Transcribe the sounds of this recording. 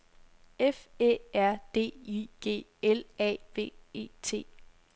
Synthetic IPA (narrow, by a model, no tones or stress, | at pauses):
efeæɐ̰d̥e̝̰ːiɡ̥e̝̰ː | elɛ̰ːʋe̝̰ːe̝̰ːt͡sʰe̝̰ː